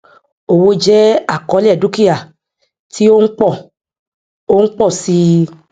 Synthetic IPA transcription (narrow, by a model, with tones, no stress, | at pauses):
o˨wo˧˦d͡ʒɛ˦a˦˨kɔ˨˦lɛ˦˨du˦ki˦ja˦˨ | ti˦o˦ŋ̩˦k͡pɔ˦˨ | o˦ŋ̩˦k͡pɔ˦˨si˧